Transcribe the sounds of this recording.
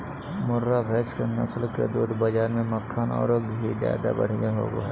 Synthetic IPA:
mʊɾːabʱɛːskenɐ̰slked̪uːd̪bɐd͡ʒaːɾmẽmɐkʰːaːnɔ̰ːɾoɡbʱizja̰ːd̪a̰bə̰ɽ̤jeɦo̰ːɡoɦɛ

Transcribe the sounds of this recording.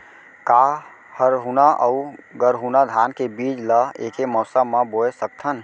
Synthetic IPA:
ka | həɾɦunaʔəuɡəɾɦunad̪ʱaːnkebid͡ʒləeːkemɔsəmaboesək̚t̪ʰən

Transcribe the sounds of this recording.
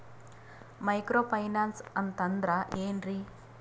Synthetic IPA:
mɐjkɾoːpʰɐjnaːnsɐnt̪ɐnd̪ɾaʔeːnɾi

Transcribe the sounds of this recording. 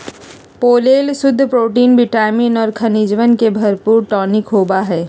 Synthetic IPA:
poːleːlsʊd̪ʱːpɾoːʈiːnbɪʈaːmiːnɔːɾkʰɐnid͡ʒʋənkebʱɐɾpuːɾʈɔːnɪkɦoːbaɦɛː

